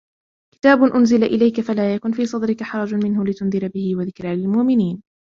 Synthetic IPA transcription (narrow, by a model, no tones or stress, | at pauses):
kɪ̥t̪aːbʊnʔʊnzɪlaʔɪlajkafalaːjakʊnfiːsˤɑd̪ɾɪkaħɑɾˤɑd͡ʒʊmɪnhʊlɪt̪ʊnðɪɾabɪhɪwaðɪkɾalɪlmʊʔmɪniːn